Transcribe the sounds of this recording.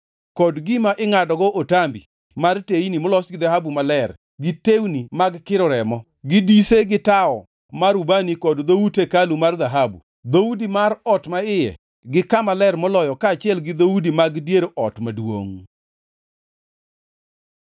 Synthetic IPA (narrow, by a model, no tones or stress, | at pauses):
kɔdɡɪmaʔɪŋadɔɡɔʔotambi | marteinimʊlɔsɡɪðaɦabumalɛr | ɡɪtewnimaɡkɪɾɔɾɛmɔ | ɡɪdiseɡɪtaɔ | maɾubanikɔdd̪owutekalumarðaɦabṵ | d̪owudimarɔtmaɪjɛ̰ | ɡɪkamalɛrmɔlɔjɔkaːt͡ʃɪɛlɡɪd̪owudimaɡdjeɾʔɔtmadwo̰ŋ